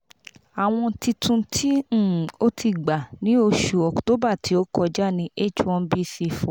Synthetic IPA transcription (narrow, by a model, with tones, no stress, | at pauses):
a˨w̃ɔ̃˧ti˧tũ˧tʰĩ˦˨o˦tʰi˧ɡ͡ba˨nĩ˨˦o˧ʃu˨ɔ˨kto˨˦ba˦˨ti˨˦o˦kɔ˧d͡ʒa˦˨nĩ˧ʔe˦˨t͡ʃɔ̃˧n˦bi˦˨si˧fɔ̃˨